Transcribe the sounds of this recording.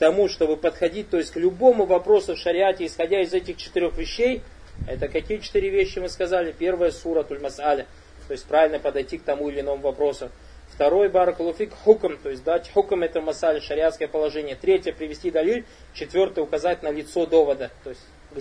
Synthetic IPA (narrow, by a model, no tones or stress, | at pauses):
kt̪ɐmuʂt̪o̞bɨpət̪xɐdʲit̚ʲt̪o̞ɪsʲtʲklʲʊbo̞mʊvɐpɾo̞sʊfʂəɾʲɪatʲɪːsxɐdʲaɪzɛtʲɪxt͡ɕɪ̥t̪ɨɾʲoxvʲɪɕːej | ɛ̰t̪əkɐkʲijət͡ɕɪ̥t̪ɨɾʲɪvʲeɕːɪmɨskɐzalʲɪpʲe̞rvəjəsuɾət̪ulʲmɐsalʲɪ | t̪o̞jɪsʲt̚ʲpɾavɪlʲnəpəd̪ɐjtʲik̚t̪ɐmuɪlʲɪno̞mʊvɐpɾo̞sʊ | ft̪ɐɾo̞jbaɾəkɐlˠofʲikħukmt̪o̞jɪsʲd̪atʲħukmɛt̪əvmɐsalʲɪʂəɾʲɪat̪skəjəpəlˠɐʐɛnʲɪjət̪ɾʲetʲjəpɾʲɪvʲɪsʲtʲid̪ɐlʲilʲ | t͡ɕɪt̪vʲo̞rt̪ɨjʊkɐzat̚ʲnəlʲɪt̪so̞d̪o̞vəd̪ət̪ojɪsʲtʲ | ɡ